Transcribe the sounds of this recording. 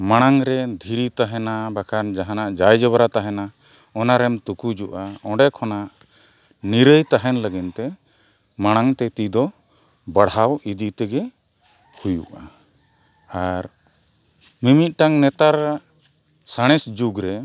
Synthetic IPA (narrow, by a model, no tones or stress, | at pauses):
maɽ̃aŋɾɛd̪ʱiɾit̪aɦɛnabakʰand͡ʒaɦanaʔd͡ʒajd͡ʒɔβɾat̪aɦɛna | ɔnaɾɛmt̪ukud͡ʒuʔaɔ̃ɖɛkʰɔnaʔ | niɾəjt̪aɦɛnləɡint̪ɛ | maɽ̃aŋt̪ɛt̪id̪ɔ | bəɽawid̪it̪ɛɡɛ | hujṵʔa | aɾ | mimit̪̚ˀʈaŋnɛt̪aɾaʔ | saɽ̃ɛsd͡ʒuɡɾɛ